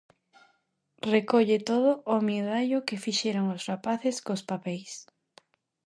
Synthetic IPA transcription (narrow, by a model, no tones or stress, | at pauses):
rekoʎet̪oðʊʔːmiðajokefiʃɛɾoŋosrapaθɪskospapɛjs